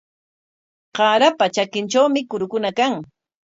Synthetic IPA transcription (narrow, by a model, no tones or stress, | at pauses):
qɑːɾapat͡ʃakɪnt͡ʃawmɪkʊɾʊkʊnakaŋ